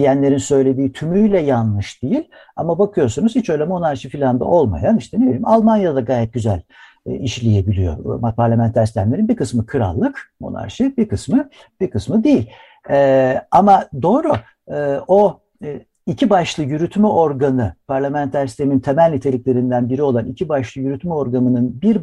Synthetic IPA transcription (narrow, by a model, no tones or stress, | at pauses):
ijænlʲe̞ɾinsø̞jlʲe̞d̪iːt̪ʰymyjlʲɛjanlˠɯʃd̪̥ejilʲa̰mabakʰɯjo̞ɾsunuz̥hit͡ʃø̞jlʲɛmo̞naɾʃɯfilʲand̪a̰ʔo̞lˠma̰janiʃt̪ɛne̞bilʲimalˠmanjad̪aɡaːjɛt̪̚ɟyzæl̰ʲ | iʃlʲije̞bilʲijo̞̰mapʰaɾlʲamænt̪ʰæɾst̪ʰʲæmlʲe̞ɾinbiɾkʰɯsmɯkʰɯɾa̰lˠːɯkmo̞̰na̰ɾʃɯbiɾkʰɯsmɯ | b̥iɾkɯsmɯd̪ejilʲ | ɛamad̪o̞ːɾu | ɯo | icʰibaʃlˠɯjyɾyt̪mɛʔo̞ɾɡanɯpʰaɾlʲamænt̪ʰæɾsi̥t̪emint̪ʰemælʲːit̪ʰe̞lʲicʲlʲe̞ɾind̪ænbiɾio̞lˠanʔicʰibaʃlˠɯjyɾyt̪mɛo̞ɾɡanɯnɯnbiɾ